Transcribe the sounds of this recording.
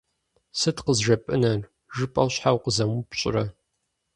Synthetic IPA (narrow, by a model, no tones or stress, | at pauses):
sɨtqəzʒɐpʼɨnɐr | ʒɨpʼɐwɕħawqəzɐmupɕʼɪ̰rɐ